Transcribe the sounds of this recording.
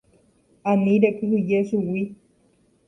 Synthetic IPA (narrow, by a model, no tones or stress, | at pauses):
anĩɾekɨɦɨd͡ʒesuwi